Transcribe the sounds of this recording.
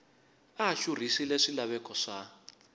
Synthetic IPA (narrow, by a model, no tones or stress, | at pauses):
aʃur̤isilɛʂilaβɛkɔʂa